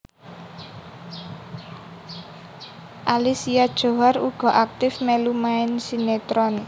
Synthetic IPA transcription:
ʔalisiad̥ʒ̥o̤ɦaruɡ̥ɔ̤ʔak̚t̪ɪfmelumaɪnsinet̪ɾɔn

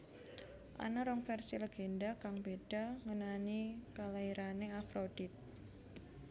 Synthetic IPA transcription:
ʔa̰naɾɔŋfɛrsiləɡ̥endakaŋbeɖ̥a̤ŋənanikalaiɾaneafɾod̥it̪̚

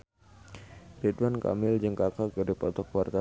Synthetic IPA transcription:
ɾidwanka̰mɪld͡ʒəŋkakakədipɔt̪ɔkwart̪a

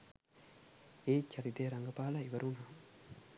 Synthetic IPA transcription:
eːt͡ʃʰːaɾit̪ejɾaŋɡəpaːlaiʋəɾunaːm

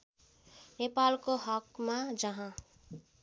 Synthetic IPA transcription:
nepalkoɦʌkmad͡zʌɦã

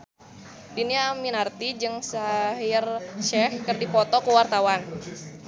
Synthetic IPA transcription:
diniaminart̪id͡ʒɨŋsaɦjɪrʃɛhkərdipɔt̪ɔkəwart̪awan

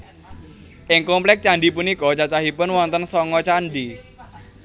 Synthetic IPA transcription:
ʔɪŋkɔmplɛk̚t͡ʃaɳɖipunikɔt͡ʃat͡ʃaɦipʊnwɔnt̪ənsɔŋɔt͡ʃanɖi

